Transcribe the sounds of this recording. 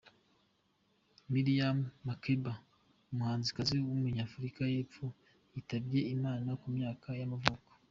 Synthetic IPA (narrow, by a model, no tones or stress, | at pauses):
miɾijamːakeba | umuhaːnzikaziwumuɲaːfuɾikaje̞ːp͡fo | jitabje̞imaːnakumɲaːkajamavuko̥